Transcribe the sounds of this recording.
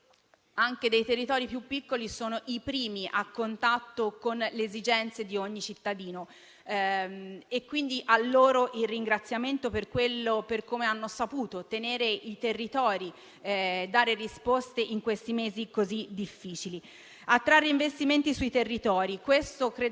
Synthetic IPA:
aŋked̪ejt̪erːit̪ɔːɾipjupːikːolisoːnoʔipɾiːmiʔakːont̪at̪ːokonleːzid͡ʒɛnt̪sed̪ioɲːit͡ʃit̪ːad̪iːno | ekːwind̪iʔalːoːɾoʔilriŋɡɾat̪sːjament̪operkwelːoperkomeanːosapuːt̪ot̪eneːɾeit̪erːit̪ɔːɾi | d̪aːɾerispost̪eʔiŋkwest̪imeːzikozid̪ifːiːt͡ʃili | at̪ːɾaːrːeiɱvest̪iment̪isuit̪erːit̪ɔːɾikwest̪okɾeː

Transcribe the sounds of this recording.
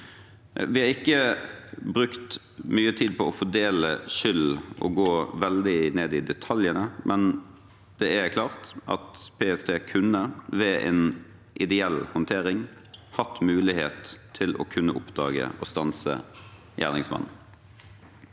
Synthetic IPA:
ʋɪhɑːʁɪkːə | bɾʉkt̪ | myːət̪ʰiːd̪̚pʰɔɔfɔɖ̪eːləʃʏlːʔɔ̰ɡoːʋɛld̪ɪneːd̪ɪd̪ɛt̪ʰɑljənəmʔɛn | d̪ɛɛkʰlɑːʁt̪ʔɑ̰t̪pʰeːɛst̪ʰeːkʰʉnːəʋɛʔɛ̰n | ʔɪd̪ɛɛlhɔnt̪ʰeːɾɪŋ | hɑt̪ːmʉːlɪhḛːt̪ʰːɪlɔ̰kʰʉnːəʔʊpd̪ɑ̰ːɡə̰ɔst̪ɑnsə̰ | jæ̰ːʁnɪŋsmɑ̰nː

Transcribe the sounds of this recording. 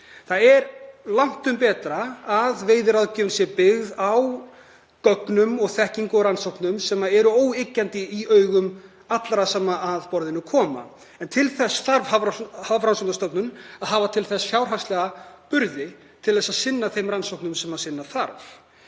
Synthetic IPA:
θaðɛɾlawŋ̥t̪ʏmpɛːt̪ɾaːðveːjðɪɾaðcɪːvʏnsjɛpɪɣðaw | kœknʏmɔɣθɛhciŋkʏɾansowknʏmsɛːmaɛɾʏoːwecːant̪ɪiœːɥɣʏm | at̪laɾasaːmaaðpɔɾðɪnːʏkʰɔːma̰ | ɛnt̪ʰɪlθɛsθaɾvhavhavɾansɔwnast̪ɔpnʏnaðɦaːvat̪ʰɪlθɛsjawrɦḁst̪lɛɣapʏɾðɪ | t̪ʰɪlðɛsaðsɪnːaθejmɾansowknʏmsɛmhasɪnːaθaɾv

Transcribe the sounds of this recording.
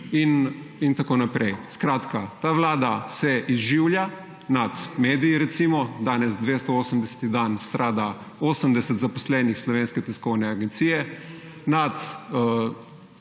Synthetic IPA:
inint̪akoːnapɾɛjskɾaːt̪kat̪aːʋlaːd̪asɛʔizʒiwlja | nat̪meːd̪ijiɾɛt̪simɔd̪aːnɛzd̪ʋeːst̪ɔoːsəmd̪ɛsɛ̥t̪id̪anst̪ɾʔaːd̪a | oːsəmd̪ɛsɛt̪zapɔslɛnixslɔʋeːnskɛt̪ɛskɔwnɛaɡɛnt̪siːjɛ | nat̪

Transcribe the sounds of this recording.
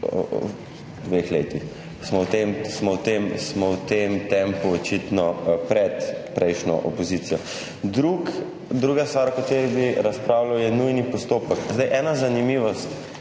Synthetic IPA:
d̪ʋexleːt̪ix | smɔwt̪emsmɔwt̪emsmɔwt̪emt̪ɛmpuɔt͡ʃit̪nɔpɾɛt̪pɾʔɛjʃnɔ̰ʔɔpɔziːt̪sijɔ | d̪ɾuk | d̪ɾuːɡast̪ʋaːɾakat̪eɾibiɾaspɾaːwlawjɛnujnipɔst̪oːpəkzd̪ajʔɛːnazanimiːʋɔst̪

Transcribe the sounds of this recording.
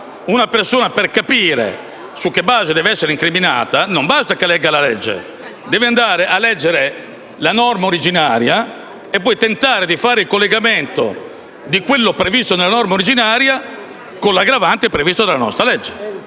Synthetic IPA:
unapersoːnaperkapiːɾḛ | sukːebːaːzed̪ɛːveɛsːeɾiŋkɾimina̰ːt̪anombast̪akelɛɡalalɛ̰d͡ʒːḛ | d̪ɛːveand̪aːɾeʔalɛd͡ʒːeɾe | lanɔrmaoɾid͡ʒinaːɾja | epːɔjt̪ent̪aːɾed̪ifaːɾeilkolːeɡament̪o̰ | d̪ikwelːopɾevist̪onelːanɔrmaoɾid͡ʒinaːɾja | kolːaɡɾavant̪ipɾevist̪od̪elanɔ̰st̪ɾalɛd͡ʒːe̥

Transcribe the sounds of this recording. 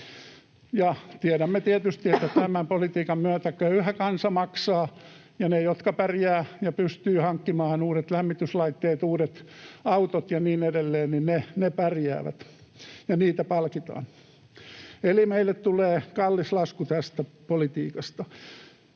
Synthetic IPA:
jɑt̪iæɾæmːet̪iet̪yst̪iet̪ːæt̪æmæmpolit̪iːkɑmmyøt̪ækøyhækɑnsɑmɑksɑː | jɑnejot̪kɑpærjæːjɑpyst̪yːhɑŋkːimɑːnuːɾet̪læmːit̪yslɑit̪ːeːt̪uːɾet̪ɑut̪ot̪jɑniːnedelːeːnninnenepærjæ̰ːʋæ̰t̪jɑniːt̪æpɑlkit̪ɑ̰ːn | elimeilːˑet̪t̪uleːkɑlːislɑskut̪æst̪æpolit̪iːkɑst̪ɑ

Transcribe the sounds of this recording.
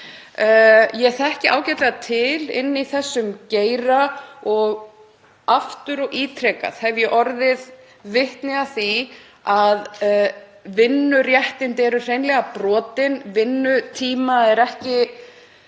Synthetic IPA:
jɛθɛhcɪʔa̰ːwcɛt̪lat̪ʰɪlɪ̰nːiθɛsːʏmceːjɾaɔɣ | aft̪ʏɾɔɣiːt̪ʰɾɛːka̰θhɛvjɛʔɔɾðɪð | vɪht̪nɪɣaθi | að | vɪnːʏrjɛht̪ɪnt̪ɛːɾʏr̥ejnlɛɣapɾɔːt̪ɪnvɪnːʏt̪ʰiːmaɛɾɛhcɪ

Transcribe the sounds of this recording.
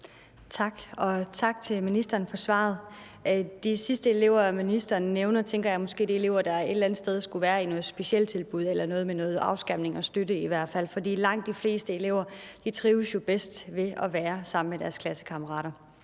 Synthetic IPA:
t͡sʰɑ̈ɡ̥ɒ̽t͡sʰɑ̈ɡ̥̚t͡sʰe̝lminisd̥ɐːnfɒ̽sʋɑ̰̈ð̞̩ˠ | d̥isisd̥əe̝le̝ʊ̰ɐminisd̥ɐːnːeʊnɐt͡sʰeŋ̰ɡ̥ɐjɑ̈ɪmɒ̽sɡ̥e̝̰ːd̥iele̝ʊ̰ɐd̥ɑ̈e̝d̥l̩ænð̩sd̥eð̞ˠsɡ̥uʋæːɐinɔ̽ːð̩ˠsb̥e̝ɕel̰t͡sʰe̝lb̥uð̞̰ˠelɐnɔ̽ːð̞̩ˠmenɔ̽ːð̞̩ˠɑ̈ʊsɡ̥ɑm̰ne̝ŋɒ̽sd̥ødəiʋæɐ̰d̥fæl̰fɒ̽dḭːlɑ̈ŋ̰d̥ːifle̝̰ːsd̥əe̝le̝ʊ̰ɐd̥it͡sʰʁiːʊsjo̝b̥esd̥ʋe̝ɒ̽ʋæːɐsɑ̈m̰n̩med̥æɐskʰlæsə̥kʰɑ̈mɐʁɑ̰̈ːɾɐ

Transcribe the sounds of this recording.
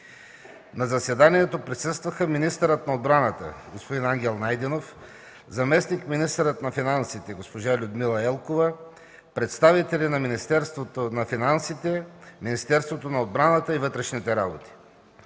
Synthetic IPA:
nɐzɐsɛd̪aniɛt̪opɾisɤst̪vɐxəminist̪əɾət̪nɐod̪bɾanət̪ə̰ɡospod̪inaŋɡʲɛlˠnajd̪ɛnof | zɐmɛsnikminist̪əɾət̪nɐfinansit̪ɛɡospoʒalʲʊd̪milˠɐɛlˠkovə | pɾɛt̪st̪avit̪ɛlinɐminist̪ɛɾst̪vot̪onɐfinansit̪ɛminist̪ɛɾst̪vot̪onɐod̪̚bɾanət̪əivɤt̪ɾɛʃnit̪ɛɾabot̪i̥

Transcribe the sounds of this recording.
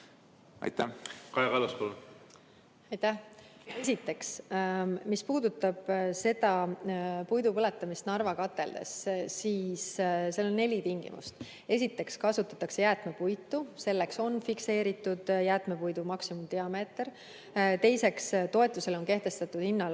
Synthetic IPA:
ɑ̰jt̪ækɑjɑkɑlɑspolu | ɑjt̪æh | e̞sʲit̪ːˑe̞ks | mispuːd̪̥ut̪ːˑɑb̥se̞d̪̥ɑ | pujd̪upɤle̞t̪ːˑɑmist̪nɑrvɑkɑt̪ːˑe̞̰ld̪̥e̞̰ssiːsse̞lo̞nːe̞lʲit̪iŋɡ̥ḭmʔṵst̪ | e̞sʲit̪ːˑe̞kskɑsut̪ːˑɑt̪ːɑkse̞jæːt̪me̞pujt̪ːˑuse̞lːe̞kso̞nːfikse̞ːɾit̪ːˑud̪̥jæːt̪ˑme̞pujd̪̥umɑksimumd̪iɑme̞ːt̪r | t̪e̞jse̞kst̪o̞e̞t̪ːˑuse̞lo̞nke̞ht̪e̞st̪ɑt̪ːˑud̪̥hinːɑl

